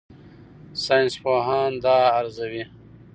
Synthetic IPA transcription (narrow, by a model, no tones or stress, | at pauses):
saːjnspoːɦɑːnd̪aːɾzawi